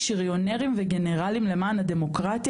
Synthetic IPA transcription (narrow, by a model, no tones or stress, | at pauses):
ʃiʁjoneʁimveɡe̞ne̞ʁalimle̞maːnad̪e̞mo̞kʁat̪i